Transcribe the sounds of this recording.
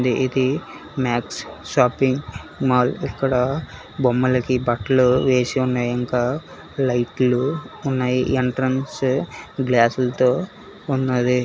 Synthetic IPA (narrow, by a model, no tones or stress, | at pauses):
d̪iʔid̪i | maːksʃaːpiŋɡmaːlikːɐɽɐ | bomːɐlɐkibɐʈɐluʋeːsiunːaːjɐŋkaː | lɐjʈluːnːaːjiʔeɳʈɾɐnsɡlaːsulɐt̪oː | unːaːd̪i